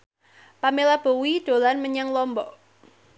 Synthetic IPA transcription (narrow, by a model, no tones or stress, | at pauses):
pamelab̥o̤wid̥o̤lanməɲaŋlɔmbɔʔ